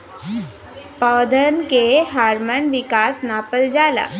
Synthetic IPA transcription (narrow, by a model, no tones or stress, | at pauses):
paːd̪ʱənkeɦaːɾmənʋɪkaːsnaːpəld͡ʒaːla̰ː